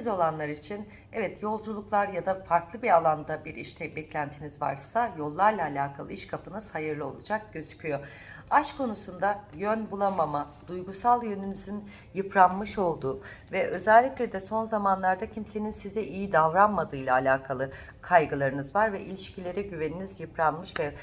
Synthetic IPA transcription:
izo̞lˠanlˠaɾit͡ʃʰin | ɛvɛt̪jo̞lˠd͡ʒulˠuklˠaɾjad̪afaɾklˠɯbiɾalˠand̪abiɾiʃt̪ʰɛbɛclʲænt̪ʰinizva̰ɾsajo̞lˠːaɾlˠaːlʲaːkʰalˠɯiʃkʰapʰɯnɯz̥hajɯɾlˠɯo̞̰lˠud͡ʒak̚ɟø̞zy̥cʰyjo̞ | aʃkʰo̞nusund̪ajønbulˠamamad̪̥ujɡusalˠjø̞nynyzyn | jɯpʰɾanmɯʃo̞lˠd̪uːvɛʔø̞zɛlʲːiclʲɛd̪ɛso̞nzamanlˠaɾd̪acʰimse̞ninsizɛʔijid̪avɾanmad̪ɯːjlˠaːlʲaːkʰalˠɯ | kʰajɡɯlˠaɾɯnɯzvaɾvɛʔilʲiʃcʰilʲe̞ɾɛɟyve̞ninizjɯpɾanmɯʃvɛ

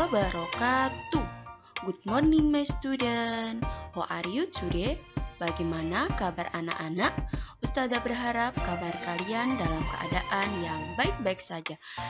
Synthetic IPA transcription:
bəɾokat̪u | ɡut̪̚mɔrninmajst̪udənhɔʔaɾiut̪̚sudɛbaɡɛmanakabarana̰ʔanaʔust̪adabərɦaɾap̚kabarkaliandalamkə̰ʔa̰daʔanjaŋbaik̚baik̚sad͡ʒa

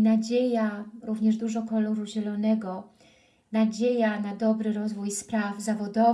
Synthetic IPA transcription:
nad͡ʑejaɾuvɲɛʐd̪uʐɔkɔlɔɾuʑɛlɔnɛɡɔ | nad͡ʑejanad̪ɔbɾɘɾɔzvujspɾavzavɔd̪ɔ

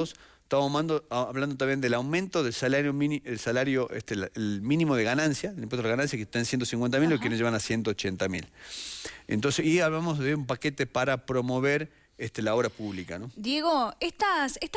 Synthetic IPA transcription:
oset̪aβamomand̪oaβland̪ot̪̬ambjend̪elawmẽnt̪oðelsalaɾjomnelsalaɾjoʔest̪elemĩnimoð̞e̞ɣanansjaðelimpwet̪oɣanãnsjaket̪aensjent̪osiŋkwe̞nt̪amilokjeneʒeβanasje̞nt̪oːt͡ʃent̪amil | ḛnt̪onseiaβlamozðeumpaket̪epaɾapɾo̞moβeɾ | est̪elao̞βɾapuβlikanod̪jeɣoest̪aseht̪

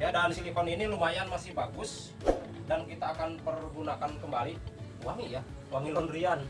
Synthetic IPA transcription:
jadaansilifɔninilumajanmasɪhbaɡʊs | dankit̪aːkanpərɡunakankəmbaliuwaŋija | waŋilɔnrian

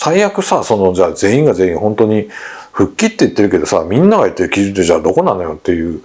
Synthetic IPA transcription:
saijakɯ̟saso̞no̞d͡ʑaːze̞ːĩŋɡaze̞ːĩɰ̃hõ̞nt̪o̞ɲ̟i | ɸɯ̟kʲːit̪ːe̞it̪ːe̞ɾɯ̟ke̞d̪o̞sa̰mʲĩnːaɡait̪ːe̞ɾɯ̟kʲiʑɨd̪e̞ʑaːd̪o̞ko̞nano̞jo̞t̪ːe̞jɯ̟ː

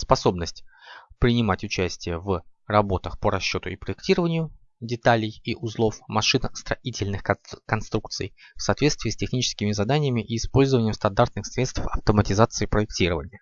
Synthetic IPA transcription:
spɐso̞bnəsʲtʲpɾʲɪnʲɪmatʲʊt͡ɕæsʲtʲɪjəvrɐbo̞t̪əxpəɾɐɕːot̪ʊɪpɾəɪktʲiɾəvənʲɪjʊ | dʲɪt̪alʲɪjiʔʊzlˠo̞fmɐʂɨnəst̪ɾɐitʲɪlʲnɨxkɐnst̪ɾuk̚t̪sɨ̰jfsɐːt̪vʲet̪st̪vʲiːsʲtʲɪxnʲit͡ɕɪ̥skʲɪmʲɪzɐd̪anʲɪjəmʲɪʔiːspo̞lʲzəvənʲɪjmst̪ɐnd̪art̪̚nɨxsɾʲet̪st̪fɐ̰ft̪əmətʲɪzat̪sɨɪːpɾəɪk̚tʲiɾəvənʲɪjə

